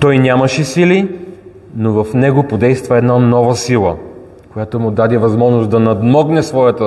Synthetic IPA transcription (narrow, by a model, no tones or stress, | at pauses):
t̪ɔjnʲamɐʃɛsili | novɐfnɛɡopod̪ɛjst̪vɐɛd̪nanɔvəsilˠə̰ | kojat̪omʊd̪ad̪ɛvɐzmɔʒnosd̪ɐnɐd̪mɔɡnɛsvɔjɐt̪ə